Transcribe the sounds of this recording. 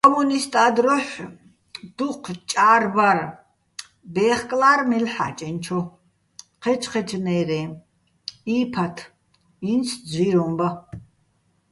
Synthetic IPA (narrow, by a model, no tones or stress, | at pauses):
kʼɔmunist̪ʼaːd̪ɾɔʃ | d̪̥uqʰt͡ʃʼaːrbaɾ | bɛːχkʼlaːrmɛlħa̰t͡ʃʼɛnt͡ʃʰɔ | qʰɛt͡ʃʰqʰɛt͡ʃʰnɛjɾɛː | iːpʰat̪ʰ | insʰd͡ziɾɔmba